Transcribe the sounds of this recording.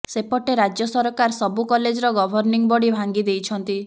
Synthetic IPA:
sepɔʈeɾad͡ʒjɔsɔɾɔkaɾsɔbukɔled͡ʒɔɾɔɡɔbʱɔɾniŋbɔɽibʱaŋɡid̪ejt͡ʃʰɔnt̪i

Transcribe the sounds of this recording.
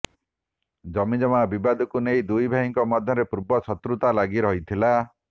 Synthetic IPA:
d͡ʒɔmid͡ʒɔmabibad̪ɔkunejd̪ujbʱaɦiŋkɔmɔd̪ʱjɔɾepuɾbɔt͡ʃʰɔt̪ɾut̪alaɡiɾɔɦit̪ʰila

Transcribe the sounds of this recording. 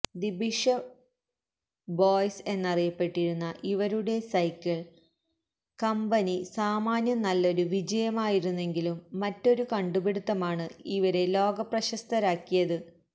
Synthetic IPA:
d̪ibiʂɐ | boːjse̞nːɐrijɐpːe̞ʈːiɾunːɐʔiʋɐɾuɽe̞sɐjkːɐɭ | kɐmbɐnisaːmaːnjɐnɐlːo̞ɾuʋid͡ʑɐjɐmaːjiɾunːe̞ŋɡilumːɐtːo̞ɾukɐɳɖubeɽut̪ːɐmaːɳɨiʋɐɾe̞lo̞ːɡɐprɐɕɐst̪ʰɐɾaːkːijɐðɨ

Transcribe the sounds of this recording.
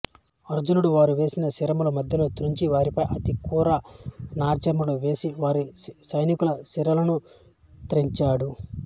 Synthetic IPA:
ɐɾd͡ʒunuɽuʋaːɾuʋe̞ːsinɐsiɾɐmulɐmɐd̪ʱjɐloːt̪ɾuɲt͡ʃiʋaːɾipɐjʔɐt̪ikuːɾɐnaːɾt͡ʃɐmuluʋe̞ːsiʋaːɾisɐjnikulɐsiɾɐlɐnu | t̪ɾeɲt͡ʃaːɽu

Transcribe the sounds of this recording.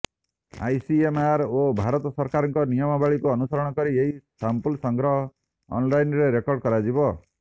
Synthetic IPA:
a̰jsiemaɾobʱaɾɔt̪ɔsɔɾkaɾɔŋkɔnijɔmɔbaɭikuɔnusɔɾɔɽ̃ɔkɔɾieɦisampulsɔŋɡɾɔɦɔ̰ː | nlajnɾeɾekɔɾɖkɔɾad͡ʒibɔ

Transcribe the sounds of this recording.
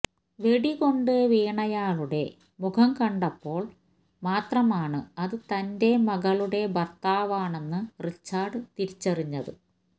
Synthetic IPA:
ʋe̞ɽiɣo̞ɳɖɨʋiːɳɐjaːɭuɽe̞ | mukʰɐmkɐɳɖɐpːo̞ːɭ | maːt̪rɐmaːɳɨɐðɨt̪ɐnde̞mɐɣɐɭuɽe̞bɐrt̪aːʋaːɳe̞nːɨrit͡ɕːaːɖɨt̪iɾit͡ɕːɐriɲːɐðɨ

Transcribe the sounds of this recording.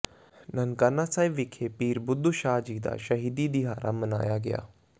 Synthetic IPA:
nənkaːnasaːɪʋɪkʰepiːɾbʊd̪ːuʃaːd͡ʒiːd̪a̰ːʃəɦiːd̪id̪ɪɦaːɾʔaməna̰ːjaɡɪja̰ː

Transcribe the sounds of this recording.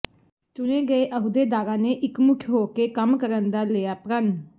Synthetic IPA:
t͡ʃʊneːɡəeːʔəɦud̪eːd̪aːɾaːneːʔɪkmʊkʰjɦoːkeːkəmkəɾənd̪aːlejaːpɾən

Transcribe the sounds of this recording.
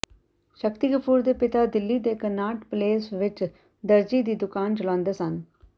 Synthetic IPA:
ʃəkt̪iːɡəpʰuːɾd̪eːpɪt̪aːd̪ɪlːiːd̪eːkənaːʈpleːsʋɪt͡ʃ | d̪əɾd͡ʒiːd̪iːd̪ʊkaːnt͡ʃəlãːnd̪eːsən

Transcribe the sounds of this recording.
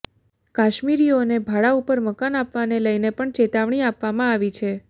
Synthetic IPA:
kaʃmiɾionebʱaɭaupəɾməkanapʋaneləjnepəɳt͡ʃet̪aʋɳiapʋamãaʋit͡ʃʰe

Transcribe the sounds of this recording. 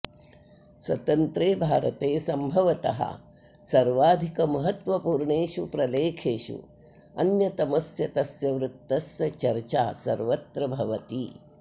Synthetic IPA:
swɐ̰t̪ɐnt̪ɾeːbʱaːɾɐt̪eːsɐmbʱɐʋɐt̪ɐ̰ɦɐ̰ | sɐɾʋaːd̪ʱikɐmɐɦɐt̪ʋɐpuːɾɳeːʃupɾɐleːkʰeːʃṵ | ɐ̰njɐt̪ɐmɐsjɐt̪ɐsjɐʋɾut̪ːɐsjɐt͡ʃɐɾt͡ʃaːsɐ̰ɾʋɐt̪ɾɐbʱɐʋɐt̪i

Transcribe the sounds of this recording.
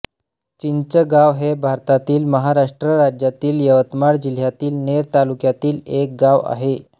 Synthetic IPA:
t͡ɕint͡ɕəɡaʋɦebʱaɾt̪at̪iːlməɦaɾaʂʈɾəɾad͡ʑjat̪iːljəʋət̪maɾd͡ʑil̤jat̪iːlneɾt̪alukjat̪iːlek̚ɡaʋa̰ɦe

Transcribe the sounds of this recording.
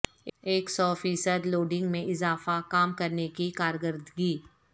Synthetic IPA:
eːksɔːfiːsəd̪loːɖɪ̃ŋɡmẽʔɪzaːfakaːmkɐɾnekikaːɾɡəɾd̪ɡiː

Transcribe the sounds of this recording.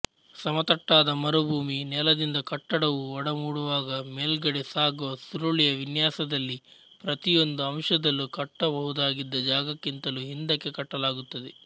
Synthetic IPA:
sɐmɐt̪ɐʈːaːd̪ɐmɐɾubʱuːminɛlɐd̪ind̪ɐkɐʈːɐɽɐʋuɔɽɐmuːɽuʋaːɡɐmeːlɡɐɽesaːɡuʋɐsuɾoɭijɐʋinjaːsɐd̪ɐlːi | pɾɐt̪ijo̞nd̪uɐmʂɐd̪ɐlːukɐʈːɐbɐɦud̪aːɡid̪ːɐd͡ʒaːɡɐkːint̪ɐluɦind̪ɐkːe̞kɐʈːɐlaːɡut̪ːɐd̪e

